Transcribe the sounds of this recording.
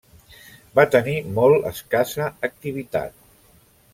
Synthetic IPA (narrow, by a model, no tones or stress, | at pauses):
bat̪ənimɔlˠə̰skasəːk̚t̪iβ̞it̪a̰t̪̚